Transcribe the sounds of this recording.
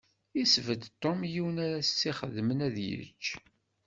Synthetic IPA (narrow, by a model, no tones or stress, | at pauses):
isvəd̪t̪ˤːomjiwənæɾæːiχəðmənæðjə̰t͡ʃː